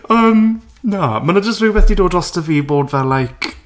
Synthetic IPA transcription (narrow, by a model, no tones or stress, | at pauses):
əːm | namanəd͡ʒəstrɪjwɛθdidoːdɔstəviːboːdvɛlajkʰ